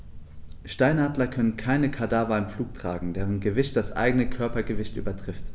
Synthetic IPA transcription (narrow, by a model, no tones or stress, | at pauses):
ʃtaɪnaːdlɐkʰœnənkʰaɪnəkʰadaːvanfluːk̚tʁ̥aːɡŋ̩deːʁənɡəvɪçt̚d̥asʔa̰ɪɡənəkʰœɐpɐɡəvɪçtʔy̰ːbɐtʁ̥ɪft